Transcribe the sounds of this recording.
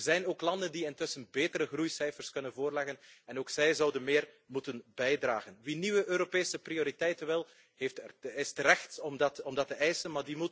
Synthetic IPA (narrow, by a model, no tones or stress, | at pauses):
zɛjnoːklɑndəndiɪntɵsənbeːtəɾəɣrujsɛjfərskɵnənvoːrlɛɣənɛnoːksɛjzɑwdənmɪːr | mutənbɛjdra̰ːɣənʋiniʋəʔøːɾopeːsəprioːɾitɛjtənʋɪlˠ | ɦeftɪstəɾɛxtɔmdɑtɔmdɑtəʔɛjsənmaːrdimut